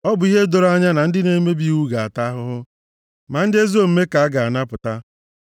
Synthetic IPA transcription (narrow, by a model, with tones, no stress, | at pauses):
ɔ˦bʊ˨i˦ɦe˦do˨ɾa˦ɲa˦na˨n̩˦dɪ˦ne˨˦me˦bi˦u˦ɡa˨a˨ta˦ɦʊ˦ɦʊ˦ | ma˨n̩˦dɪ˦e˦zo˦˨m̩˦me˦ka˨a˦ɡa˨a˨na˦pʊ˨ta˦